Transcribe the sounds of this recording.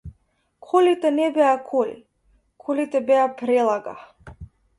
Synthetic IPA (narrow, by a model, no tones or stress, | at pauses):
kʰɔlit̪ɛnɛbɛakʰɔlḭ | kʰɔlit̪ɛbɛapɾɛlˠaɡa̰